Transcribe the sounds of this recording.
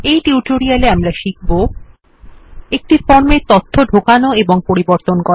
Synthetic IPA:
ejʈiuʈoɾialeamɾaʃik̚ʰbo | ek̚ʈifɔɾmeɾt̪ot̪ʰːoɖʱokanoeboŋpoɾiboɾt̪onko

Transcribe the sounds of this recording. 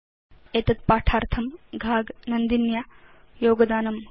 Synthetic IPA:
eːt̪ɐt̪̚paːʈʰaːɾt̪ʰɐmɡʱaːɡnɐnd̪inja | joːɡɐd̪aːnɐm

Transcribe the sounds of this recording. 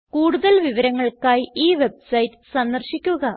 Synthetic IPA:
kuːɽuðɐlʋiʋɐɾɐŋːɐɭkaːjiːʋe̞bsɐjtːɨ̥sɐnd̪ɐrɕikʲːuɣɐ

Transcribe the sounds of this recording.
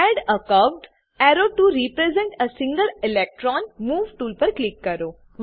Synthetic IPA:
ɛɖəkɐʋɖ | ɛɾoʈuɾipɾezẽɳʈəsĩŋɡəɾɪlek̚ʈɾɔːnmuːʋʈuːlpəɾklikːɐɾoː | ʋ

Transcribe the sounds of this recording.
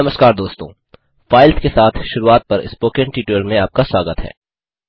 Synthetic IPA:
ɐməskaːɾd̪oːst̪õː | faːɪlt̪kesaːt̪ʰʃʊɾuaːt̪̚pɐɾɪ̰spoːkə̃ɳʈiːʈoːlmẽaːp̚kaswaːɡət̪ɦɛ̰ː

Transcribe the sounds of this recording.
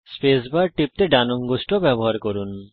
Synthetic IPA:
spesbaɾʈip̚t̪eɖanoŋɡosʈobɛboɦaɾkoɾun

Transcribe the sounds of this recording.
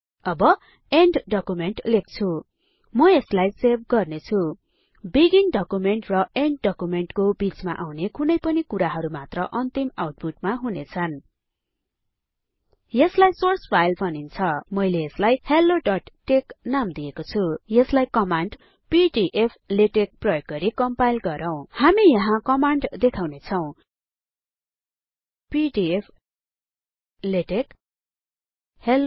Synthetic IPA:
ʌbʌ | eɳɖɖʌkumeɳʈlek̚t͡sʰu | mʌeslajserb̚ʱɡʌrnet͡sʰu | biɡiŋɖʌkumeɳʈrʌʔeɳɖːʌkumeɳʈkobit͡sma̰ʔawnekʰunʌjpʌnikuɾaɦʌɾumat̪rʌʔʌnt̪imawʈ̚puʈmaɦunet͡sʰʌn | jʌslajsorspʰajlbʱʌnint͡sʰʌmʌjleːslajhelːoɖʌʈʈːeknamd̪iekot͡sʰujʌslajkʌmaɳɖ | piɖiʔepʰleʈek̚prʌjoɡ̚ɡʌɾikʌmpajlɡʌɾʌw̃hamijʌɦãkʌmaɳɖd̪ekʰawnet͡sʰʌw̃ | piɖiepʰ | leʈek | hel

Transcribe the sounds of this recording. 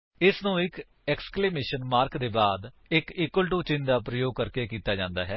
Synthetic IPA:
ɪsnũːɪk | ɛːkskleːmeːʃənmaːɾkd̪eːbaːd̪ | ɪkiːkːwəlʈ̬uːt͡ʃɪ̃ːnd̪aːpɾəjoːɡ̚kəɾkeːkiːt̪aːd͡ʒãːnd̪aːɦɛː

